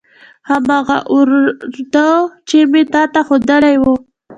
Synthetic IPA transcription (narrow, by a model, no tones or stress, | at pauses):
hamɑɣa̰ʔʊɾd̪ət͡ʃemet̪ɑt̪axod̪əlajwo